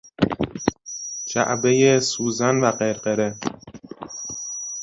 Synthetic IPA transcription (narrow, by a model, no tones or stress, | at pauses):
d͡ʒæ̰ʔbejesuːzænvæɢeɾɢeɾe